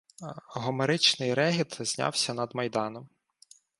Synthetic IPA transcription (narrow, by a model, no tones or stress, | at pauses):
ɦɔmeɾɪt͡ʃnɪjɾɛɦʲit̪zʲnʲa̰wsʲɐnɐd̪mɐjd̪ɑnɔm